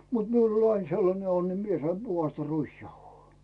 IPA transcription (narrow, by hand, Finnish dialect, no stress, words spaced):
mut miul olʲ ɑiŋ selːɑne onːi mie sɑim b̥uhɑstɑ ruisjɑuhoː